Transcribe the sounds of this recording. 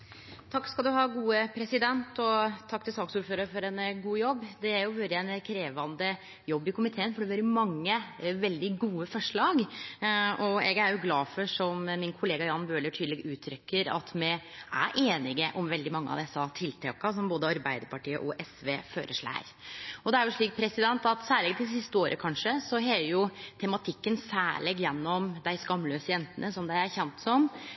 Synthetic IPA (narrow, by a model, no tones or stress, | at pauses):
t̪ʰɑkːskɑld̪ʉɦɑːɡuːəpʰɾɛsɪd̪ɛnt̪ʰɔt̪ʰɑkːt̪ʰɪlsɑːksuːɾføːɾɑɾfɔɾɛnəɡuːjɔbːd̪ɛæɾjʊʋɛld̪ɪɛnkʰɾeːʋɑnd̪ə | jɔbːɪkʊmɪt̪ʰeːənfɔɖɛʋɑɾjʊmɑŋːəʋɛld̪ɪɡuːəfɔʂɭɑːɡ | ɔɛɡæɾjʊɡlɑːfɔʂɔmmːɪnkʰʊleːɡɑjɑːnbøːləʈʰyːd̪lɛɡʉːt̪ʰɾʏkːəɾɑ̰t̪mɛæ̰ɾʔeːnɪɡəʔɔmʋɛld̪ɪmɑŋːəɑ̰ʋd̪ɛsːɑt̪ʰɪlt̪ʰɑːkɑs̬ɔmboːd̪əɑɾbæɪd̪əɾpʰɑʈiːə̰ʔɔʔɛsʋeːføːɾʔəʂɭæ̰ɪɾɔd̪ɛæɾjʊʂɭiːk̚pʰɾɛsɪd̪ɛnt̪ɑt̪sæːɭɪɡd̪ɪsɪst̪əoːɾʔə̰kʰɑnʂəsɔɦejʊt̪ʰɛmɑt̪ʰɪkːənsæːɭɪɡjɛnːɔmd̪æɪskɑmːløːsəjɛnt̪ənəsɔmd̪æɪæɾçɛnt̪sɔm